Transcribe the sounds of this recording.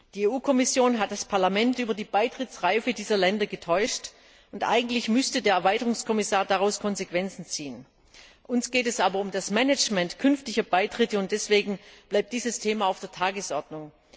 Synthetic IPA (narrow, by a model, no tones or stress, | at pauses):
d̥iːeːʔuːkʰɔmɪsjoːnɦat̚d̥aspʰaɐlamɛntʔyːbɐdiːbaɪtʁ̥ɪt͡sʁaɪfədiːzɐlɛndɐɡətʰɔʏʃt | ʊntʔa̰ɪɡŋ̩tlɪçmʏstədeːɐɛɐvaɪtəʁʊŋskʰɔmɪsaːɐdaʁaʊskʰɔnzekv̥ɛnt͡sn̩t͡siːən | ʔʊnsɡ̥eːtɛsʔaːbɐʊmdasmɛnɛt͡ʃmɛntkʰʏnftɪçɐbaɪtʁ̥ɪtəʊntd̥ɛsv̥eːɡŋ̩b̥laɪp̚td̥iːzəstʰeːmaːaʊfd̥eːɐtʰaːɡəsʔɔɐdnʊŋ